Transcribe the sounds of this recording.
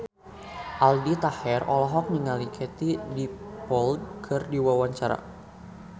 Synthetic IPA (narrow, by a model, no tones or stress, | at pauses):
ʔaldit̪ahɛrɔlɔɦɔk̚niŋalikʰɛt̪idipɔldkʰɨrdiwawaɲt͡ʃaɾa̰